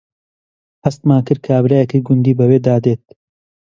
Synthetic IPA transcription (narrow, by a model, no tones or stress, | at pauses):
hɐst̪maːnkɨɾ̚kʰaːbɾajɛkiɡʊnd̪iːbɐweːd̪aːd̪eːt̪̚